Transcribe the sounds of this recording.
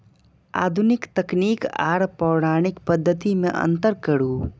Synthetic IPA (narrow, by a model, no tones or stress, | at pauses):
a̰ːd̪ʱʊnɪkt̪ɐkniːka̰ːɾpɔːɽaːɽ̃ɪkpəd̪ʱːət̪imẽʔɐ̰̃nt̪əɾkɐɽuː